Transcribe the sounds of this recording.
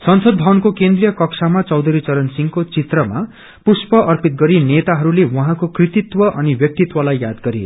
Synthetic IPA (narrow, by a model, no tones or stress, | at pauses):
sʌnsʌd̪̚bʱʌnkokend̪rijʌkʌksʰamat͡sʌwd̪ʌɾit͡sʌɾʌnsiŋkot͡sit̪rʌma̰ | puspʌʔʌrpit̪̚ɡʌɾinet̪aɦʌɾulewʌɦãkokrit̪it̪wʌʔʌnibjʌk̚t̪it̪wʌlajːad̪ɡʌɾḭ